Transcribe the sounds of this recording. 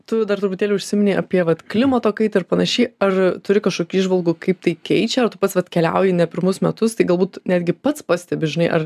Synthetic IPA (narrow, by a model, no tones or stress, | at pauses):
t̪ʊd̪ɐɾt̪ɾʊpʊt̪ʲeːlʲɛʊʃʲsʲɪmʲɪnʲiːʔɐ̰pʲiɛʋɐt̪klʲɪmɐt̪oːkɐɪt̪ɐɪɾpɐnɐʃʲiːɐrt̪ʊɾʲɪkɐʃkoːkʲuːiːʒʋɐlˠɡuːkɐɪp̚t̪ɐɪkʲɛɪt͡ʃʲɛɐrt̪ʊpɐt̪sʋɐt̪kʲɛlʲɛ̰ʊjɪnʲɛpʲɪɾmʊsmʲɛt̪ʊst̪ɐɪɡɐlˠbuːt̪nʲæːd̪ʲɡʲɪpɐt̪spɑsʲt̪ʲɛbʲɪʒʲɪnɐɪʔɐr